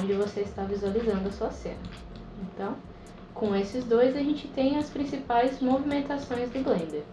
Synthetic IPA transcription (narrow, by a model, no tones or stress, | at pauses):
õd͡ʒɪvoseɪst̪aɾvizualizɐ̃nd̪ʊɐsuɐsḛ̃nɐ | ẽnt̪ɐ̃w̃ | kõw̃esɪzd̪ojzɐʒẽnt͡ʃɪt̪ẽj̃ɐspɾĩsipajzmovimẽnt̪asõj̃zd̪ʊblẽnd̪eɾ